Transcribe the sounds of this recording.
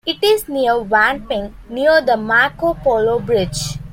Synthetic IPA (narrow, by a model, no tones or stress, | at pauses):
ɪʈɪzniəɾʋãnpɪ̃ŋniəɾd̪əmaɾkopɔlobɾɪd͡ʒ